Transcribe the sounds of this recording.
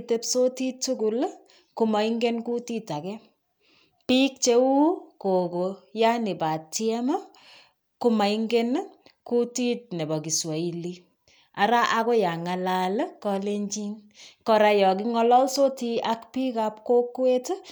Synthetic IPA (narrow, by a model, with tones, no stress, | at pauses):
te˦pso˦ti˦tːu˦ku˨l | ku˨ma˨i˦ŋɡe˦nku˦ti˦ta˨kɛ˦ | pi˦k̚t͡ʃe˦wu˦ko˨ko˨ja˦ni˨pa˨tjɛ˦ma˦ | ku˧ma˨iŋɡe˦n | ku˦ti˦t̚ne˨bɔ˨ki˨swa˨i˨li˦ | a˨ɾa˦ʔa˦ko˦ja˨ŋa˨lalkɔ˧le˦ɲt͡ʃi˦ŋ | kɔ˨ɾa˨jɔ˨k̬i˦ŋɔ˦lɔ˦lso˦ti˦a˦kpi˦kap̚ko˦kwe˦t